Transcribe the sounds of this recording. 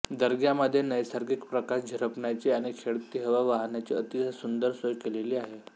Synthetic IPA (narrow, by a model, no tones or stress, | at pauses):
d̪əɾɡjaməd̪ʱːjenəjsaɾɡikpɾəkaɕd͡ʑʱəɾəpɳat͡ɕiːaɽ̃ikʰeɭt̪iːɦəʋaʋaɦnjat͡ɕiːət̪it͡səsund̪əɾsojkeleliːaɦe